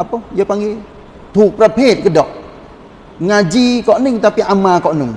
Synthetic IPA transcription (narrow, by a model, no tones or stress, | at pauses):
ʔapɔjəpaŋi | t̪ʰuk̚pɾapʰeːt̪̚kɯdɔʔ̚ | ŋad͡ʒiːkɔnɯŋt̪apiʔamaːkɔʔnɯŋ